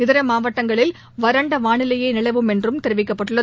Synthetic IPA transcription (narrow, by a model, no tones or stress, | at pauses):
ɪðɪɾɐmaːʋɐʈːɐŋɡɐɭɪl | ʋɐɾɐɳɖɐʋaːɳɪlɐjeːnɪlɐɪʋɯmɛndrɯmt̪ɛɾɯʋɪkːɐpːɐʈːɯɭːɐ